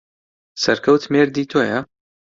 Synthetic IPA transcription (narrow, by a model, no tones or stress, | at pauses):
sɐɾkʰɐwt̪meɾd̪iːt̪ʰojɐ